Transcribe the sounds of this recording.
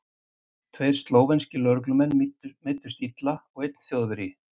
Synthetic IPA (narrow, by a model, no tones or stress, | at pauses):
t̪ʰveːjɾ̥st̪loːwvenscɪlœɾklʏmɛnːmeːt̪ʏ̥st̪it̪laɔɣejt̪̚n̥θjoːðvɪɾjɪ